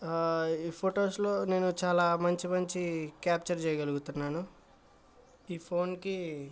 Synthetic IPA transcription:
iːpʰoːʈo̞ːslo̞ːne̞ːnut͡ʃaːlaːmɐɲt͡ʃimɐɲt͡ʃikaːp̚t͡ʃɐɾt͡ʃɛjɐɡɐluɡut̪unːaːnu | iːpʰo̞ːnki

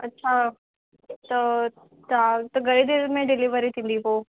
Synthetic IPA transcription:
ɐtːɕʰa | t̪ɐ | t̪at̪ɐɡʱɐɾid̪ɪɾmẽɖɪliʋəɾit̪ʰĩːn̆d̪ipoː

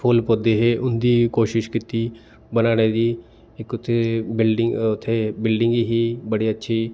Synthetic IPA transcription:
pʰoːlpoːd̪eːɦeʔʊnd̪iːkoːʃɪʃkɪt̪iː | bənaːneːd̪iː | ɪkʊt̪ʰːebɪlɖɪʊt̪ʰːeːbɪlɖɪ̃ŋɡɦiːbəɽiːətːʃʰiː

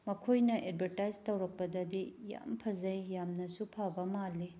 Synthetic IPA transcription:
mɐkʰojnɐʔed̚bʱɐɾtajztɐwɾɐk̚pɐdɐdija̰mpʰɐzɐjːamnɐsupʰabɐmalːi

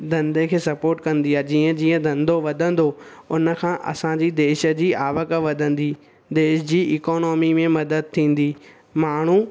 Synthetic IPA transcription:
d̪ɐ̃nd̪ekʰeːsɐpoːɾʈkɐ̃nd̪iaːɦed͡ʑiːə̃d͡ʑiːə̃d̪ʱɐ̃nd̪oʋɐd̪ʱə̃nd̪oʊnə̆kʰãːʔɐ̰sãɲd͡ʑid̪eːʃə̆d͡ʑiːʔaːʋəkəʋɐd̪ʱə̃nd̪iː | d̪eːʃd͡ʑiːʔɪːkɔːnɔːmimẽmɐd̪əd̪̚t̪ʰĩːn̆d̪iː | maːɳ̤u

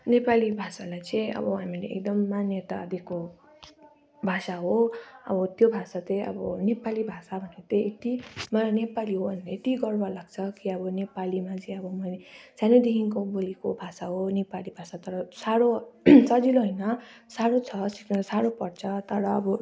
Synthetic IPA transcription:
nepalibʱasalajt͡sʌ̃ĩʌ̰bʌɦamileḛk̚d̪ʌmːanjet̪a̰d̪ʱeko | bʱasaɦoʌ̰bʌt̪jobʱasat͡sẽʌ̰bʌnepalibʱasabʱʌnet̪eet̪imʌnepaliɦoʌnleet̪iɡʌrbalaɡt͡sʰʌkiʌbʌnepalimat͡sʌĩʌbʌmʌsaned̪ekiŋkobolikobʱasaɦonepalibʱasat̪ʌɾʌsaɾosʌd͡ziloɦʌjnʌsaɾot͡sʰʌsi̥kʌsaɾopʌrt͡sʰʌt̪ʌɾʌːbʌ

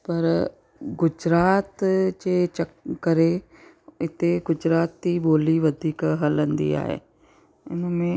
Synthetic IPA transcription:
pɐɾ | ɡʊd͡ʑɾaːt̪d͡ʑeːt͡ɕɐkːɐɾe | ɪt̪eɡʊd͡ʑɾaːt̪ːiboːliʋɐd̪ʱiːkɦɐlə̃nd̪ḭa̰ːɦḛː | ʊnmẽ

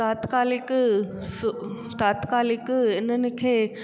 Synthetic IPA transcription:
aːt̪kaːlik | s | t̪at̪kaːlikenənikʰe

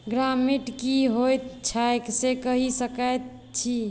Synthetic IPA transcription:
ɡɾamiʈkiɦojt̪t͡ʃʰaeksekəɦisəkət̪̚ | t͡ʃʰi

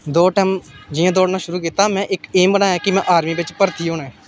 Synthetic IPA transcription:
d̪oːʈɛːmd͡ʒɪjãːd̪oːɽnãːʃʊɾuːkiːt̪aːmɛ̃ːʔɪkeːmbənaːɛːkɪmɛ̃ːʔaːɾmiːʋɪt͡ʃpəɾt̪ʰiːɦoːnɛ̃ː

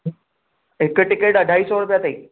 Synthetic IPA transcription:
ekeʈikeʈəɖʱaiːsoɾupjat̪ai

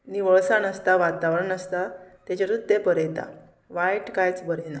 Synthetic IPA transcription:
niʋəɭsanəst̪aʋat̪aʋɾəɳəst̪at̪jat͡ɕaɾud̪epəɾɛjt̪a̰ | ʋajʈkajt͡sbəɾina

